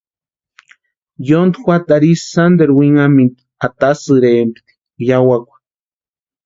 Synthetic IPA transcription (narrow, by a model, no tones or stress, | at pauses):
jond̪xʷwat̪aɾisːand̪eɾwiŋamint̪ | at̪asɨɾeempi̥t̪i̥ | jawakʷḁ